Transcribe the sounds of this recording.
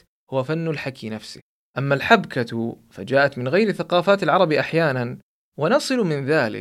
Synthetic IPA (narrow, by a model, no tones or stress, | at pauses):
hʊwafanːʊlħakinafsɪ̰ | ʔamːalħabkat̪fa̰d͡ʒaːʔat̪mɪnɣajɾɪθaqɑːfaːt̪alʕɑɾˤɑbiʔaħjaːnan | wɪnɑsˤɨlmɪnðaːlɪ̰k